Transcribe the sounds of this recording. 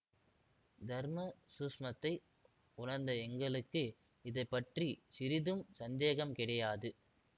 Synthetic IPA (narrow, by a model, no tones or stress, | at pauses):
d̪ʱɐɾmɐsuːʂmɐt̪ːɐɪ | ʊɳɐɾnd̪ɐɛŋɡɐɭɯkːɯ | ɪðɐɪpːɐʈrisɪɾɪðɯmsɐnd̪eːɣɐmkɪɽɐjaːðɯ